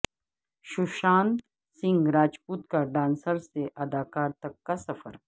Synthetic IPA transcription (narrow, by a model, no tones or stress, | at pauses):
ʃuʃaːn | sĩŋɡɾaːd͡ʒpuːt̪kaɖãːnsəɾseʔɐd̪aːkaːɾt̪ɐkːasɐfə̰ɾ